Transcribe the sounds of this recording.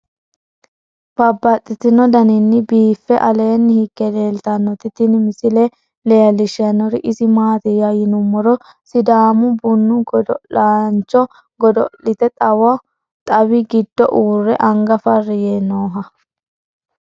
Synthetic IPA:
b̥ɐbːɐt̪ʼːɪt̪ɪnɔd̪ɐnɪnːɪbiːfːɛʔɐleːnːɪhɪɡːɛleːlt̪ɐnːɔt̪ɪt̪ɪnmɪsɪlɛ | lɛjɐlɪʃɪjɐnɔɾɪʔɪsɪmaːt̪ɪjɐjɪnʊmːɔɾɔ | sɪd̪aːmʊbʊnːʊɡɔd̪ɔlaːnt͡ʃːɔ | ɡɔd̪ɔ̰lɪt̪ɛt̪ʼɐwɐ | t̪ʼɐwɪɡɪd̪ːɔ̰ʔuːrːɛʔɐŋɡɐfɐrːɪjenoːɦɐ

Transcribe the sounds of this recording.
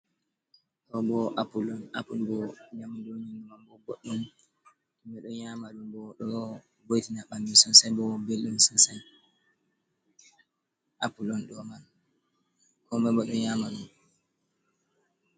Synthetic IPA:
tɔbɔʔapulɔna̰pulbɔɲamdoɲinumanbɔɡoɗːum | kɔmɛɗɔjamaɗumbɔɗɔ | bojtinaɓambisɔnsajbɔbelɗumsɔnsaj | ʔapulɔnɗɔman | kɔmɛbɔɗɔjamaɗum

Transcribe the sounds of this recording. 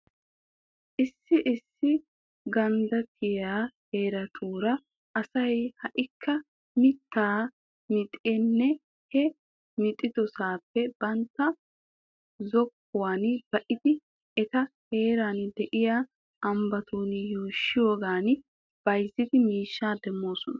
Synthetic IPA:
ʔɪsːɪʔɪsːɪ | ɡɐnd̪ɐt̪ʰɪjaːhe̞ːɾɐt̪ʰuːɾɐ | ʔɐsɐjhɐʔɪkʰːɐ | mɪt̪ːaː | mɪt̪ʼɛnːɛ | hɛ | mɪt̪ʼːɪd̪ɔsaːpːɛb̥ɐnt̪ːɐ | zɔkːʊwaːnb̥ɐʔɪd̪ɪ | ɛt̪ɐhe̞ːɾand̪ɛʔɪjaː | ɐmbɐt̪ʰuːnjuːʃːɪjoːɡaːn | b̥ɐjzɪd̪ɪmiːʃːaːd̪ɛmːo̞ːsɔnɐ

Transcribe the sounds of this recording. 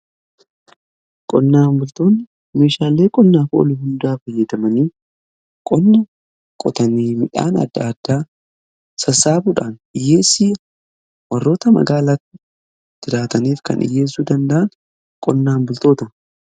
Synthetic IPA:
kʼɔnːaːnbʊlt̪o̞ːnːɪ | me̞ːʃaːlːe̞ːkʼɔnːaːfo̰lʊhʊnd̪aːfɐjːɐd̪ɐmɐniː | kʼɔnːɐ | kʼɔt̪ɐniːmɪᶑa̰ːnɐ̰d̪ːa̰ːd̪ːaː | sɐsaːbuːᶑaːnɪjːe̞ːsɪːɐ | wɐrːo̞ːt̪ɐmɐ̰ɡaːlat̪ːɪ | d̪̥ɪɾaːt̪ɐniːfkɐ̰nɪ̰je̞ːs̬ːuːd̪ɐnd̪ɐʔɐn | kʼɔnːaːnbʊlt̪o̞ːt̪ɐ

